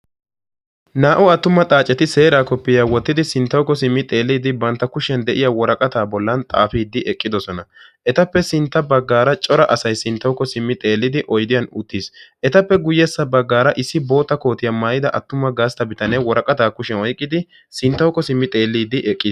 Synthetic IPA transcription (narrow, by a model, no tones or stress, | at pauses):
naːʔʊɐt̪ːʊmːɐt̪ʼaːt͡ʃʼːɛt̪ɪse̞ːɾaːkɔpːɪjaːwɔt̪ːɪd̪ɪsɪnt̪ːɐwkːɔsɪmːɪt̪ʼe̞ːlːiːd̪ɪbɐnt̪ːɐkʊʃɛnd̪ɛʔɪjawɔɾɐkʼɐt̪aːbɔlːɐnt̪ʼa̰ːfiːd̪ːɪʔɛkʼːɪd̪ɔsɔnɐ | ʔɛt̪ɐpːɛsɪnt̪ːɐbɐɡːaːɾɐt͡ʃʼɔɾɐʔɐsɐjsɪnt̪ːɐwkːɔsɪmːɪt̪ʼe̞ːlːɪd̪ɪʔɔjd̪ɪjɐnʊt̪ːiːsʔɛt̪ɐpːɛɡʊjːɛsːɐbɐɡːaːɾɐʔɪsːɪbo̞ːt̪ːɐko̞ːt̪ɪjɐmaːjɪd̪ɐʔɐt̪ːʊmːɐɡaːst̪ɐbɪt̪ɐnɛwɔɾɐkʼɐt̪aːkʊʃɛnɔjkʼːɪd̪ɪ | sɪnt̪ːɐwkːɔsɪmːɪt̪ʼe̞ːlːiːd̪ɪʔɛkʼːiːs